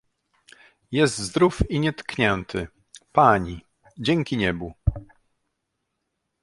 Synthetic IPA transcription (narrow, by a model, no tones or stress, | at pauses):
jɛst̪zd̪ɾufiɲɛt̪kɲɛnt̪ʰɘ | paɲi | d͡ʑɛŋʲkʲiɲɛbu